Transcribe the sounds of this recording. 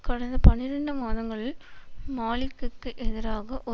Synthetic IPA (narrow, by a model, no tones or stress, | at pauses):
kɐɽɐnd̪ɐpɐnɪɾɐɳɖɯmaːðɐŋɡɐɭɪlmaːɭɪkːɯkːɯʔɛðɪɾaːɣɐʔɔ